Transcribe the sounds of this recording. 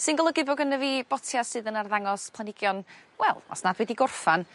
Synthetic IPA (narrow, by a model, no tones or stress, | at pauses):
sɨnɡɔlˠəɡɨboːɡənəviːb̥ɔtʰjasɨðənarðaŋɔspʰlˠanɪɡjɔnwɛlˠɔ̰snadwɛdiɡʊrfan